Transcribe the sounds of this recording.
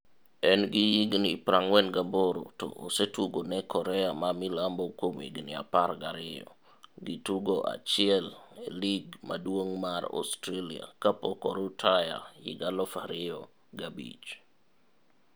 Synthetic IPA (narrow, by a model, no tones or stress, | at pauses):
ɛnɡɪjiɡnipɾaŋwɛnɡaboɾo̰to̰ʔosetuɡonɛkɔɾɛamamilambɔkomḭɡnɪa̰parɡaɾɪjɔ̰ | ɡituɡoʔa̰t͡ʃɪɛleliɡma̰dwoŋmaɾɔ̰stɾelia̰kapɔkɔɾotʰaja̰jḭɡalɔfaɾɪɔ | ɡabḭt͡ʃ